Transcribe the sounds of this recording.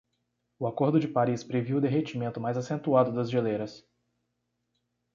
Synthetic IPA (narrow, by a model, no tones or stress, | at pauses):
ʊakoɾd̪ʊd͡ʒɪpaɾispɾeviwd̪eɦet͡ʃimẽnt̪ʊmajzasẽnt̪uad̪ʊd̪ɐzʒeleɾɐs